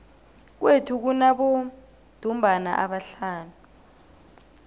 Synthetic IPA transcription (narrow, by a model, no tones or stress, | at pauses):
k̬wetʰuk̬unaɓɔ | d̥ʱumbʱana̰ʔaɓaɬaːnu